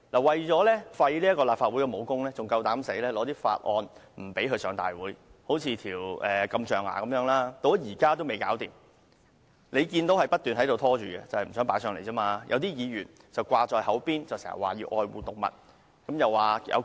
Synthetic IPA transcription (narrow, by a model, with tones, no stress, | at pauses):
laː˨˩wɐ˨˩jt͡sɔː˨˥lɛː˥fɐ˧jliː˥ɐ˥kɔː˧laː˨pfaː˧t̚u˨˥jkɛ˧mo˨˧wkʊ˥ŋlɛː˥t͡sʊ˨ŋkɐ˧wt̪aː˨˥mse˨˥lɛː˥lɔː˨˥t̪iː˥fa̰ː˧t̚ʔɔ̰ː˧nm̩˨˩pe˨˥jkɵ˧ɥsœː˨˧˥ŋt̪a̰ː˨jwuː˨˥jho˨˥wt͡sʰiː˧t̪ʰiː˨˩wʔɛː˨kɐ˧mt͡ʃœː˨ŋa̰ː˨˩kɐ˨˥mjœː˧˥ŋlaː˥t̪o˨˧wɐ˥jiː˨˩kaː˥t̪o˥wme˨jkaː˨˥wt̪iː˨m | le˨˧jkiː˧nt̪o˨˥whɐ˨jpɐ˥t̚t̪yː˨nhɐ˨˥jt̪o˨wt̪ʰɔː˥t͡ʃyː˨kɛ˧t͡sɐ˨hjm̩˨˩sœː˨˥ŋpaː˨˥sœː˧ŋle˨˩jt͡sɔː˥maː˧jʔɐ̰˨˧wt̪iː˥jiː˨˧jyː˨˩n | t͡sɐ˨wkʷaː˧t͡sɔː˨jhɐ˨˥wpiː˥nt͡sɐ˨wsɛː˨˩hɐ̰˨˩waː˨˩jiː˧ʔɔː˧jwṵː˨˩t̪ʊ˨k̚mɐ̰˨˩t̚ | kɐ˨˥mjɐ˨wːaː˨˩jɐ̰˧w